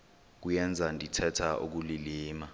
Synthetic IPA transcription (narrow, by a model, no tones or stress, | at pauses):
k̬ujɛnd͡zʱandʱitʰɛtʰaʔṵk̬uliliːma